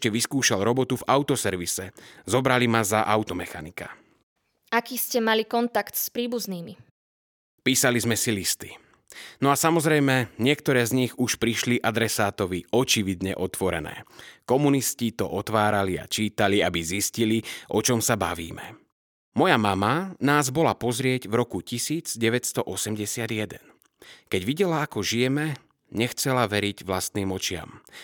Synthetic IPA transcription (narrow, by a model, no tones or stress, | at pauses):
cɛʋiskuːʃalɾɔbɔt̪uvaʊt̪ɔsɛɾʋisɛzɔbɾalimazaʔaʊt̪ɔmɛxanika̰ | akiːscɛmalikɔnt̪akt̪spɾiːbuzniːmi | piːsalizmɛsilist̪i̥ | nɔasamɔzɾɛjmɛɲɪɛk̚t̪ɔɾɛːzɲiɣuʃpɾiʃliʔad̪ɾɛsaːt̪ɔʋiɔt͡ʃiʋid̪ɲɛ̰ʔɔt̪ʋɔɾɛ̰nɛ̰ːkɔmuniscit̪ɔʔɔt̪ʋaːɾalia̰t͡ʃiːt̪aliabizisciliʔɔt͡ʃɔmsaba̰ʋḭːmɛ̰ | mɔjamamanaːzbɔlapɔzɾɪɛɟvɾɔkucisiːd͡zɟɛʋɛcst̪ɔʔɔsɛmɟɛsɪad̪ɪjɛd̪ɛn | kɛɟʋiɟɛlaakɔʒijɛmɛ | ɲɛxt͡sɛlaʋɛɾiɟʋlast̪niːmɔt͡ʃɪa̰m